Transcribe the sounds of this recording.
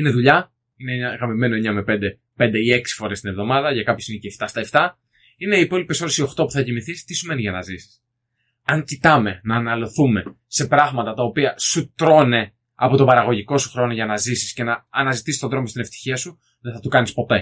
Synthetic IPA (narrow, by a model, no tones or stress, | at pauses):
ine̞ðuʎɐ | ineɲɐɣɾɐmime̞noeɲɐme̞pe̞nd̪e̞ | pe̞nd̪eie̞ksi̥fo̞ɾe̞st̪ine̞vðo̞mɐðɐʝɐkɐpçosinceft̪ɐst̪ɐeft̪ɐ | ine̞iːpo̞lipeso̞ɾesio̞xt̪o̞pu̥θɐcimiθist̪isume̞nizʝɐnɐzisi̥s | ɐŋcit̪ɐme̞nɐːnɐlo̞θume̞ | se̞pɾɐɣmɐt̪ɐt̪ɐo̞piɐsut̪ɾo̞ne̞ | ɐpo̞t̪o̞bɐɾɐɣo̞ʝiko̞su̥xɾo̞no̞ʝɐnɐzisi̥sce̞nɐːnɐzit̪isi̥sto̞d̪ɾo̞most̪ine̞ft̪i̥çiɐsu | ðeθɐt̪ukɐnispo̞t̪e